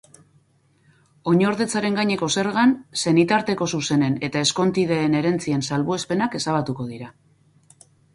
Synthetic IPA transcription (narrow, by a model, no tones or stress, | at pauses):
o̞ɲo̞ɾðe̞t͡saɾe̞ŋɡaɲe̞ko̞se̞ɾɣanse̞nit̪aɾt̪e̞ko̞suse̞ne̞ne̞t̪ae̞sko̞nt̪ið̞eːne̞ɾe̞nt͡siensalβue̞spe̞nake̞saβat̪uko̞ð̞iɾa